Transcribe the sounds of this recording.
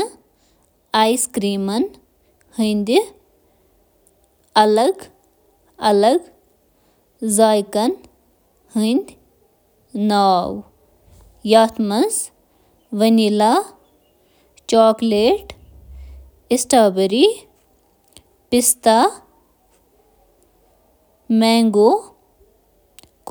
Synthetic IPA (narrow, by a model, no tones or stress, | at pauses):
aːjskɾiːmɐn | hənd̪ʲi | ɐlɐɡ | ɐlɐɡ | zaːjkɐn | hənd̪ʲ | naːw | jaːt̪ʰmɐz | ʋɐnilaː | t͡ʃaːkleːʈ | ɪsʈaːbəɾi | pɪst̪a | mɛ̃ːŋɡoː | k